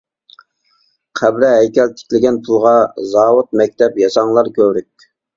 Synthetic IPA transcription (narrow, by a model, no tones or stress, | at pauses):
qʰæbɾɪɦɛjkʲɛlt̪ʰːɪ̥kʲlɪɡʲɛnpʰulˠʁɑzɑːwʊt̪̚mɛk̚ʲt̪ʰɛpjɑsɑŋlˠɑɾkʲʰøwɾyk̚ʲ